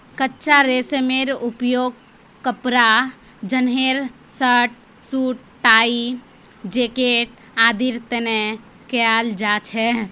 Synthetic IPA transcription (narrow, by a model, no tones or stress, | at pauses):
kətːt͡ʃaɾesemeɾupjoɡ̚ | kəpɾa | d͡ʒənɦeɾsəʈ̚ | suːʈ̚ | ʈaːi | d͡ʒeːkeʈ̚ | aːd̪iɾt̪ene | kejald͡ʒat͡ʃʰɛ